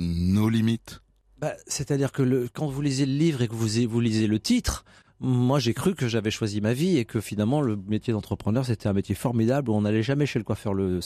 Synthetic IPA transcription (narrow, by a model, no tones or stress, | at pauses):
nolimit̪ | baset̪ad̪iʁkələkɑ̃vulizjeləlivʁekəvuzevulizjelət̪it̪χ | mwaʒekχykəʒavɛʃwazimaviekəfinalmɑ̃ləmet̪jed̪ɑ̃t̪χəpχənœʁs̬et̪ɛɛ̃met̪jefɔʁmid̪abluɔ̃nalɛʒamɛʃeləkwafœʁlə